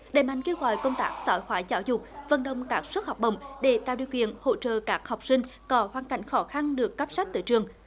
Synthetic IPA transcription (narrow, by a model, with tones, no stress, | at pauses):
ɗəː˨˩jma̰˧˨jŋ̟ke˧wɣɔ̰˧˨jkə˧wŋ͡mt̪aː˦˥k̚zɔ˧˨˦jxwaː˨˦jzaː˧˦wzʊ˨˩k͡p̚və̰˨˩nɗə̰˨˧˨wŋ͡mkaː˦˥k̚swt̚ha˨˩wk͡p̚ɗə̰˧˨wŋ͡mɗe˧˩˦t̪a̰˧˨wɗḭ˧˨əwkwḭ˧˨ənho̰˧˨t͡ɕə̰ː˧˨kaː˦˥k̚ha˨˩wk͡p̚sï˧ŋ̟kɔ˨˦hwaː˧˩nka̰˧˩jŋ̟xɔ˨˦xa˧nɗɨ˨˩əkːə˦˥p̚sa˦˥k̚t̪ɨ̰ː˧˨jt͡ɕɨ˨˩əŋ